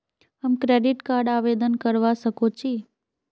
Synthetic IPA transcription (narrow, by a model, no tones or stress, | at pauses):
ɦəmkɾeːɖɪʈkaːɾɖaːʋed̪ənkəɾʋasəkot͡ʃʰiː